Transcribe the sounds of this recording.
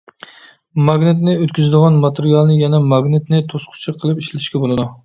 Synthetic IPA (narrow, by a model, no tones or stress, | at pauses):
mɑɡʲnɪt̪nɪøt̪kʲyzɪd̪ɨʁɑnmɑt̪ʰeɾijɑlˠnɨjɛnɛmɑɡnɨt̪nɪt̪ʰosqʰʊ̥t͡ʃʰɨqʰəlˠɨpiʃlɪt̪ɪʃkʲɛbolˠɨd̪u